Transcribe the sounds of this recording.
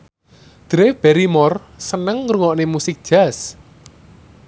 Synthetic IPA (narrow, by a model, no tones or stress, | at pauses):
d̪̥ɾeb̥ɛɾimɔr | sənəŋɾuŋɔʔnemusɪk̚d̥ʒ̥as